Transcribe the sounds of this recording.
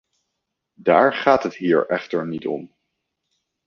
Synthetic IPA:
da̰ːɹχaːtɦətɦiːɹʔɛχtəɹnitɔ̰m

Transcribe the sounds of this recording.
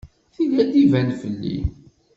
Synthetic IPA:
θiʝæd̪ivænfəlːḭ

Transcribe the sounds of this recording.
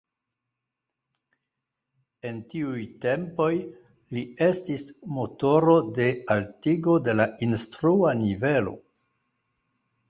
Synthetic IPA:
e̞ntiujte̞mpo̞j | lie̞stismo̞to̞ɾo̞de̞altiɡo̞de̞lainstɾuanive̞lo̞̰

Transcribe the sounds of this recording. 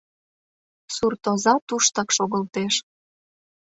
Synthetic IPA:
surt̪ozɑt̪uʃt̪ɑkʃoɣəlt̪eʃ

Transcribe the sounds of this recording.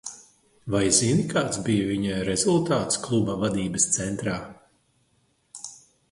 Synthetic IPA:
vajzinikaːt̪sbijɐviɲaɾɛzulˠt̪aːt̪sklˠubavad̪iːbɨst̪sɛnt̪ɾaː

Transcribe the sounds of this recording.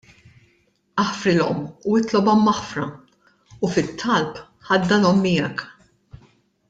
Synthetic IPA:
ɐħfɾɪlɔ̰muɪt̪lɔbɐmːɐħfɾɐ | ufɪt̪ʰːɐlp | ħɐd̪ːɐlɔmːɪjɛk

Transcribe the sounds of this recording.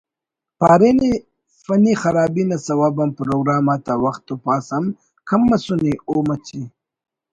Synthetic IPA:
pɑɾene | fanixaɾɑːbinasawɑːbampɾoɡɾɑːmat̪awaxt̪əpɑːsam | kʰamːasuneomat͡ʃi

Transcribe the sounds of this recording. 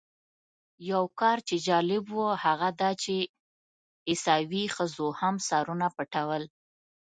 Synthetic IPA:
jawkɑɾt͡ʃed͡ʒɑlɪbwohaɣad̪ɑt͡ʃe | ɪsɑwixəzohamsɑɾunapəʈawəl

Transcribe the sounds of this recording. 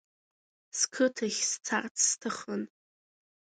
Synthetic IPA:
skʰɨtʰaχʲst͡sʰart͡sʰstʰaχən

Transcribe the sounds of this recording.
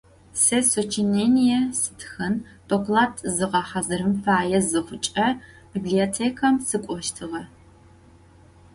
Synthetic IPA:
sɐsot͡ʃʰineːnijɛsɨ̥tʰxɐnd̥ʼokʷlaːtʰʼzɨʁɐħɐzɨɾɨmfaːjɛzɨχʷʊt͡ʃʼɐ | b̥ibliotʰeːkʰɐmsɨkʷʼɔʃtʰɨʁɐ

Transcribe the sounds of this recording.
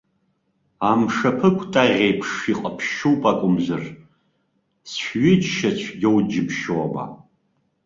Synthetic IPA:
amʂapʰɨkʷʰtʼaʁʲejpʰʂiqʼəpʰʃuwpʼakʷʼʊmzɨr | sħɥɪt͡ʃʃat͡ɕʷʰɡʲowd͡ʒɪpʰʃowaba̰

